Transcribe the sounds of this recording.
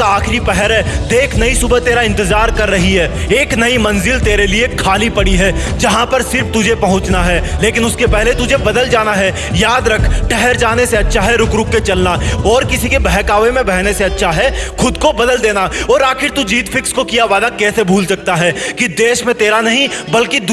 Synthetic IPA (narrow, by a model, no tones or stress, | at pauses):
aːkʰɾipɛɦɛɾɦɛd̪eːkʰnɐisʊbət̪eːɾaɪ̃nt̪ɪzaːɾkɐɾːɐɦiɦɛːeːknɐimɐ̃nzɪlt̪eːɾeliekʰaːlipɐɽiɦɛːd͡ʒɐɦãpɐɾsɪɾft̪ʊd͡ʒʱepɐɦʊ̃t͡ʃnaɦɛːleːk̬ɪnʊskepɛɦlet̪ʊd͡ʒʱebɐd̪əld͡ʒaːnaɦɛ | jaːd̪ɾɐkʰʈɛɦɛɾd͡ʒaːneseɐtːʃʰaɦɛɾʊkɾʊkːet͡ʃɐlnaɔːɾkɪsikebɛɦkaːʋemẽbɛɦneseɐtːʃʰaɦɛxʊd̪kobɐd̪əld̪eːnaɔːɾaːxɪɾt̪ud͡ʒiːt̪fʰɪkskokijaʋaːd̪akɛːsebʱuːlsɐk̚t̪aɦɛːkid̪eːʃmẽt̪eːɾanɐɦĩbɐlkid̪